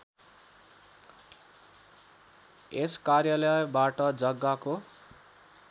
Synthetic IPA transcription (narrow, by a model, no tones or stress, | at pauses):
eskarjalʌjbaʈʌd͡zʌɡːako